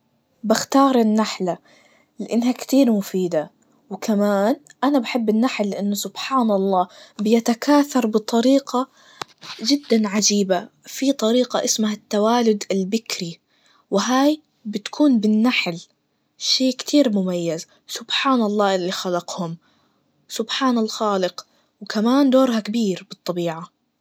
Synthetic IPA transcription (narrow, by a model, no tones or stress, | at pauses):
baxt̪ɑːɾˤɪnːaħla | lɪʔɪnːɦakt̪iːɾmʊfiːd̪a | wɪkʰamaːnʔanabaħɪbːɪnːaħlːɪʔɪnːʊsʊbħaːnɑlˤːɑːbɪjat̪akʰaːθɑɾˤbɨt̪ˤɑɾiːqɑ | d͡ʒɪd̪ːanʕad͡ʒiːba | fit̪ˤɑɾiːqɑ̰ʔɪsmahat̪ːawaːlʊd̪ɪlbɪkɾi | wɪɦaːj | bɪt̪ḁkʰuːnbɪnːaħl | ʃeːkt̪ʰiːɾmʊmajːaz | sʊbħaːnɑlˤːɑːʔɪlːixalɑqhʊm | sʊbħaːnalxaːlɪq | wkʰamaːnd̪oːɾhakabiːɾbɨt̪ˤːɑbiːʕa